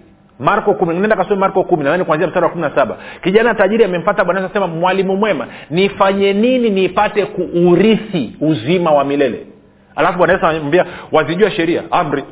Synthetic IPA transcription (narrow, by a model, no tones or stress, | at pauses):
maɾkɔkuminaŋnɛndakasɔmimaɾkɔkuminaðanikwanziam̩staɾawakuminasaɓa̰kiʄanataʄiɾiamɛm̩fataɓwanaɛs̬asɛmamwalimumwɛma̰nifaɲɛnininipatɛkuːɾisiuzimawamilɛlɛ̰ | ha̰lafuɓwanaɛsambiawaziʄuaʃɛɾia̰am̩ɾi